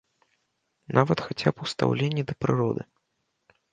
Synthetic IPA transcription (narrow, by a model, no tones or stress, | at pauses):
nʔavɐt̪xat͡sʲapust̪a̰wlʲenʲːid̪ɐpɾɨɾɔd̪ɨ